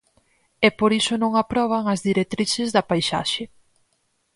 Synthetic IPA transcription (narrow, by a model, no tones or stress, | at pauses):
ɛpoɾisʊnõŋapɾɔβ̞ɐŋɐzðiɾek̚t̪ɾiʃɪzðɐpajʃa̰ʃe